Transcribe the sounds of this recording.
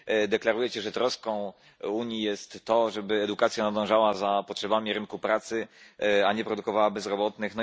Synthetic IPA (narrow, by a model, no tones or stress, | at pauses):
d̪ɛklaɾujɛt͡ɕɛʐɛt̪ɾɔskɔ̃w̃ | uɲijɛst̪ːɔʐɛbɘɛd̪ukat̪sʲjanad̪ɔ̃w̃ʐawazapɔtʂɛbamʲiɾɘnkupɾat̪sɘaɲɛpɾɔd̪ukɔvawabɛzɾɔbɔt̪nɘxnɔ